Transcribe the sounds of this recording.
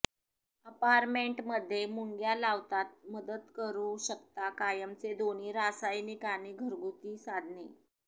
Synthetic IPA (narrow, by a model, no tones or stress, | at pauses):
əpaɾmeɳʈməd̪ʱːjemuŋɡjalaʋt̪at̪̚məd̪ət̪kəɾuɕəkt̪akajəmt͡sed̪oñ̤iːɾasajnikaniːɡʱəɾɡut̪iːsad̪ʱne